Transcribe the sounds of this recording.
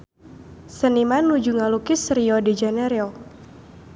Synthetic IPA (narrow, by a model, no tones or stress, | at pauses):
sənimanːud͡ʒuŋalukisɾiɔded͡ʒanɛɾeɔ